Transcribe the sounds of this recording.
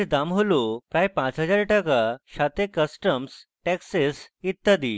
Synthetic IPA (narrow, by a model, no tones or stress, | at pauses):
d̪amɦolopɾajpãt͡sɦəd͡zaɾʈəkaɕat̪ekəsʈəmsʈɛksesit̪ːəd̪i